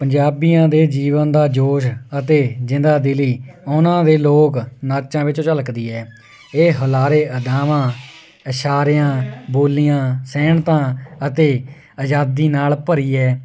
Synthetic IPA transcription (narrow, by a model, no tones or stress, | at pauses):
pəɲd͡ʒaːbijãːd̪eːd͡ʒiːʋənd̪aːd͡ʒoːʃət̪eːd͡ʒɪ̃nd̪aːd̪ɪliːʊnãːd̪eːloːknaːɾt͡ʃãːʋɪt͡ʃõːt͡ʃələkd̪iːɛː | eːɦəlaːɾeːʔəd̪aːʋãː | əʃaːɾɪjãːboːlːijãːsɛːɳt̪ãːət̪eː | əd͡ʒaːd̪iːnaːlpəɾiːɛː